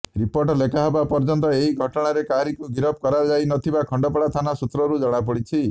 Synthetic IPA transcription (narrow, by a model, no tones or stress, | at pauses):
ɾipoɾʈɔlekaɦebapɔɾd͡ʒɔnt̪ɔeɦiɡʱɔʈɔɽ̃aɾekaɾikuɡiɾɔp̚kɔɾad͡ʒajnɔt̪ʰibakʰɔɳɖɔpɔɽat̪ʰanasut̪ɾɔɾud͡ʒɔɽ̃apɔɽit͡ʃʰi